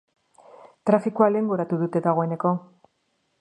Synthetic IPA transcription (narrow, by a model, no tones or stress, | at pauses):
t̪ɾafikualeːŋɡo̞ɾat̪uðut̪e̞ðaɣ̞o̞e̞ne̞ko̞